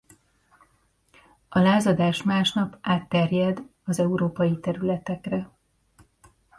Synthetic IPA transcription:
ɒlaːzɒd̪aːʃmaːʃnɒpaːt̪ːɛrjɛd̪ɒzɛuɾoːpɒjit̪ɛɾylɛt̪ɛkrɛ

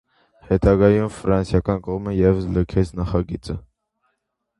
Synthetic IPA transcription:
hɛt̪ɑɡɑjumfɾɑnsjɑkɑnkɔʁməjɛvəsləkʰɛt͡sʰnɑχɑɡit͡sə

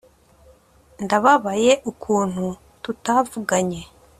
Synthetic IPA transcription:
ndaβaβaje̞ʔukʰuːn̥hu | tutavuɡaɲe̞

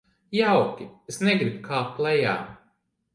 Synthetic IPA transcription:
jawkʲiesneɡɾib̚kʰaːplˠɛja̰ː

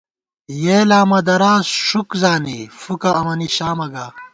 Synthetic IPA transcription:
jeːlaːmɐd̪ɐɾaːzʂukzaːnifukɐːmɐniɕaːmɐɡaː

